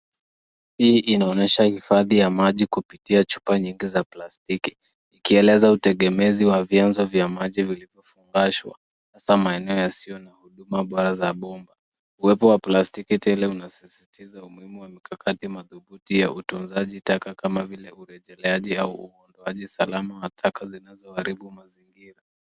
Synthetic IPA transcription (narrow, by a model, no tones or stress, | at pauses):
hiːʔinaɔnɛʃahifaðijamaʄikupitiat͡ʃu̥paɲiŋɡizaplastikiː | kiɛlɛzautɛɠɛmɛziwavjanzɔvjamaʄivilivjɔfuŋɡaʃwa̰ | hasamaɛnɛɔjasiɔnahuɗumaɓɔɾazaɓɔmba | uwɛpɔwaplastikitɛlɛunasisitizaumuhimuwamikakʰatimaðuɓutija̰ʔutunzaʄitakakamavilɛuɾɛʄɛlɛaʄiauuɔndɔaʄisalamawatʰakazinazɔaɾiɓumaziŋɡiɾa